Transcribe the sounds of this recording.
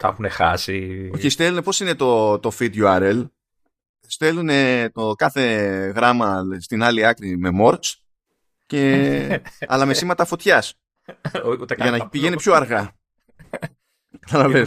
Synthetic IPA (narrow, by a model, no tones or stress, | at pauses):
t̪ɐ̰xunexɐsioçist̪e̞lune̞po̞sine̞t̪o̞t̪o̞fid̪juɐɾel | st̪e̞lune̞t̪okɐθe̞ɣɾɐmɐst̪inɐliɐkɾime̞mo̞ɾt͡s | ce̞ | ɐ̰lɐmesimɐt̪ɐfo̞t̪çɐs | t̪ɐʝɐnɐpiʝenipço̞ɐɾɣɐ | kɐt̪ɐlɐve